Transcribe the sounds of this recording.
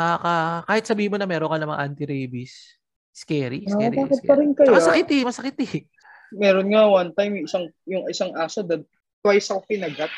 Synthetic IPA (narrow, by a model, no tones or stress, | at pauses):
aːkakaːhɪt̪sɐbiːhɪnmonɐmɛːɾonkɐnɐmɐŋa̰ʔant̪ɪɾɛjbis | skɛːɾiabaːkɪt̪pɐɾɪnkɐjmɐosɐkɪt̪ɛmɐsɐkɪt̪ɛ | mɛːɾonŋawɐnt̪ajmjʊɪsaŋjʊŋɪsaŋʔaːsod̪ɐd̚ | t̪wajsɐkopɪnɐɡat̪̚